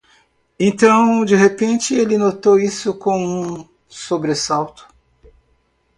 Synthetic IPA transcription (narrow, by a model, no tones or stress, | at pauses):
ẽnt̪ɐ̃w̃d͡ʒɪɦepẽnt͡ʃɪelɪnot̪owisʊkõw̃ũ | sobɾesawt̪ʊ̥